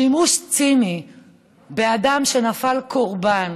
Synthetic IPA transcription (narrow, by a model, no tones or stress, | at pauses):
imuʃt͡simi | beadamʃe̞nafalkoʁban